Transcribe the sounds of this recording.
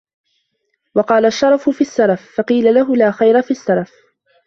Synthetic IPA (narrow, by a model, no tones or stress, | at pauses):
wɑqɑːlaʃːɑɾˤɑfʊfiːasːalafːɑqiːlalaɦʊlaːxajɾafiːʔasːalaf